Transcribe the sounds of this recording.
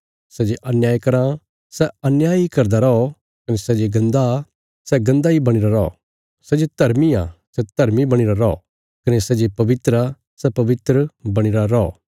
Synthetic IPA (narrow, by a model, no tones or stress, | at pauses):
sɛd͡ʒeʔɐnjaːjkɐɾã | sɛɐnjaːjikɐɾd̪aɾɔo | kɐnesɛd͡ʒeɡɐ̃nd̪a | sɛɡɐ̃nd̪aibɐɽ̃ɪɾaɾɔɔ̰ | sɛd͡ʒed̪̥ʱɐɾmiã̰sɛd̪̥ʱɐɾmibɐɽ̃ɪɾaɾɔɔ̰ | kɐnesɛd͡ʒepɐʋɪt̪ɾa | sɛpɐʋɪt̪ɾəbɐɽ̃ɪɾaɾɔo̰ː